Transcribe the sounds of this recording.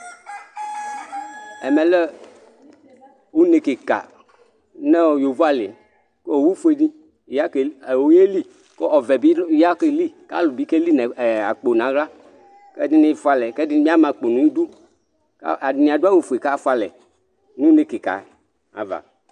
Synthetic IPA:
ɛ˨mɛ˨lɛ˦ | wu˦nɪ˨kɪ˨ka̰˨ | nɛ˦˨jo˨vu˦a˨lɪ˨ | ko˦o˨wu˦fu˦e˦˨di˦˨ | ja˦ke˨wo˦je˦li˦ | ko˦ɔ˨vɛ˨bi˦ja˦ke˦li˦ka̰˦lu˨bi˦ke˦li˦nɛ˨a̰˨k͡po˨nã˨˦ɣa˦ | kɛ˦dɪ˦nɪ˦fu˦a˨lɛ˨kɛ˦dɪ˦mĩ˦a˦mã˨k͡po˨nũ˨ĩ˦du˦ | ka̰˦a˨dɪ˨nĩ˨a˨do˦a˦wu˦fu˨e˨ka˦fa˨lɛ̰˨ | nũ˦nɪ˨ki˨ka̰˨ | a̰˨va̰˨

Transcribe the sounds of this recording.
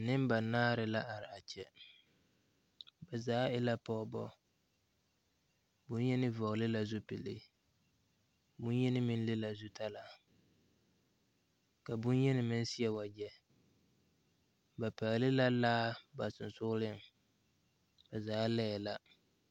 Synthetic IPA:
nɪ˦mba˨naː˦ɾɪ˨la˦ʔa˨ɾɪ˨a˨t͡ʃɛ˨ | bɛ˨zaː˦ɪ˦la˦pɔ˦˨bɔ̰˦ | bʊ˦njɛ˦nɪ˦vɔ˨ɣlɪ˦la˦zʊ˦pɪ˨lɪ̰˦ | bʊ˦njɛ˦nɪ˦mɪ˦n˦lɪ˦la˨zʊ˦ta˦la˨ | ka˨bʊ˦njɛ˦nɪ˨mɪ˦n˦si˦ɛ˨wa˨d͡ʒɛ˦ | ba˨pa˨ɣlɪ˦la˦laː˦ba˨sʊ˨n˨sʊ˦lɪ˦ŋ | bɛ˨zaː˨˦lɛ˦˨la˦

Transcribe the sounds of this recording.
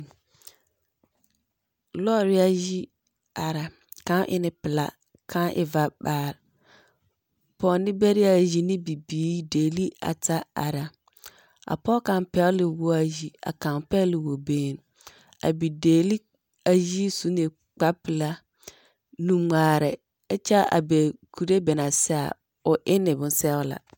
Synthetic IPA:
lɔ˦˨ɾɪ˦a˦ji˦ | a˨ɾa˨ | kã˦ʔɪ̰˦nɪ˨pɪ˨la̰˨ | kʰã˦ʔɪ̰˨va˨baː˦˨ɾ | pɔː˨˦nɪ˦bɛ˦ɾɪ˦a˨ji˨nɪ˦bi˨biː˨˦deː˨li˦a̰˨ta˦a̰˨ɾa˨ | a̰˨pɔː˦kã˨mpɛ˦lɪ˨wʊ˦a˨ji˨a̰˨kã˨mpɛ˦lɪ˨wo˨beː˦˨n | a̰˨bi˨deː˨li˦ | a˨ji˦su˦nɪ˨ | k͡pa˦pɪ˨la˦ | nũ˨ŋʷaː˨ɾɛ˨ | ɪ˦t͡ʃɛ˦a̰˨be˨kʰu˨ɾe˦bɛ˨na˨sɛ˦a̰˨ | ʊ˨ʔɪ˦nɪ˨bʊ̃˨nsɛ˦ʊ˦la̰˨

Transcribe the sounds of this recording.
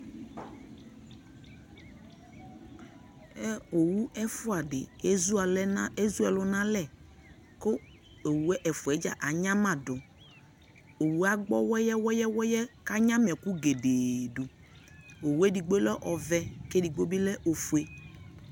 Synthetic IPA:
ɛ˦o˨wu˦ʔɛ˦fʊ˦a˨dɪ̰˨e˦zu˦a˨le˦zu˦ɛ˨lʊ˦na˦lɛ˦˨ | kʊ˦ | o˨wu˦ɛ˦ʔɛ˨fu˨ɛ˨˦d͡ʒa̰˨ʔa˨ɲa˦ma˨dʊ˨ | o˨wu˦a˦ɡ͡bɔ˦wɛ˦jɛ˦wɛ˦jɛ˦wɔ˦jɛ˦ka˦ɲa˦m˨ɛ˨ku˦ɡe˨deː˨du˨ | o˨wu˦e˦di˨ɡ͡bo˦lɛ˦ʔɔ˨vɛ˦ke˦di˨ɡo˦bɪ˦lɛ˦ʔo˨fu˨e˨

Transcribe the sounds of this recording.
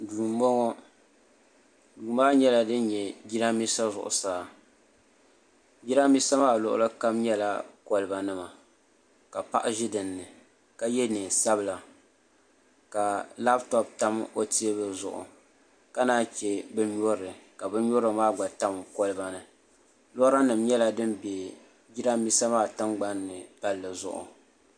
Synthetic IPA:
duː˨mɔ˦ŋɔ˦ | duː˨maː˦ɲɛ˦la˦dɨ˦nɲɛ˨ɡi˦ɾa˦mi˦sa˦zʊ̰˨ʔʊ̰˨saː˨ | ɡi˦ɾa˦mi˦sa˦maː˦˨lʊ̰˨ʔʊ̰˦lɨ˦ka˦mɲɛ˦la˦kɔ˦lɨ˨ba˨nɨ˦ma˨ | ka˨pa̰˦ʔa˦ʒɪ˦dɨ˨nːɨ˨ | ka˦jɛ˦nɨ˨sa˦bɨ˨la˨ | ka˨la˦btɔ˦b̚ta˦mo˦ti˦e˦bɨ˨zʊ̰˨ʔʊ̰˨ | ka˦naː˦t͡ʃɛ˨bɨ˦ɲɔ˦ɾɨ˨ka˨bɨ˦ɲɔ˦ɾɨ˨maː˦ɡ͡ba˨ta˦m˨kɔ˦lɨ˦ba˨nɨ˨ | lɔ˦ɾa˦nɨ˨mɲɛ˦la˦dɨ˦mbe˨ | bi˦ɾa˦mi˦sa˦maː˦ta˦mɡ͡ba˦nːɨ˨ta˦lːɨ˨zʊ̰˦ʔʊ̰˨

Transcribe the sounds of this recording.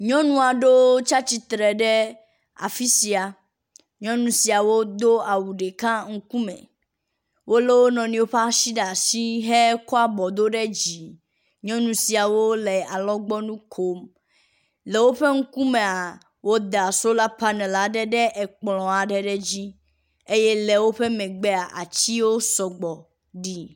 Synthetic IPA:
ɲɔ̃˦nũ˦a˨ɖo˦t͡ʃa˦t͡ɕi˦t̪ɾɛ˨ɖɛ˦ | a̰˨fi˦si˨a˨ | ɲɔ̃˦nũ˨si˨a˨wo˦d̪o˦a˨wu˨ɖe˨kã˦ŋ̩˦ku˦mɛ̰̃˨ | wʔo˦le˦wo˦nɔ̃˨nĩ˨wo˦ɸa˦ʃi˦ɖa˨si˦ɦe˦kɔ˦a˦bɔ˨d̪o˦ɖɛ˦d͡ʑi˨ | ɲɔ̃˦nũ˨si˨a˨wo˦le˨a˨lɔ̃˦ɡ͡bɔ˦nũ˦kʰo˦m | le˨wo˦ɸe˦ŋ̩˦ku˦mẽ˨a˨ | wo˦d̪a˨so˦la˦pa˦nɛ̃˨la˨ɖɛ˦ɖɛ˦ʔɛ˨k͡plɔ̃˨a˨ɖɛ˦ɖɛ˦d͡ʑi˦ | e˦je˦le˨wo˦ɸe˦mɛ̃˨ɡ͡be˦a˨ʔa̰˨t͡ɕi˦wo˦sɔ˨ɡ͡bɔ˨ | ɖi˦

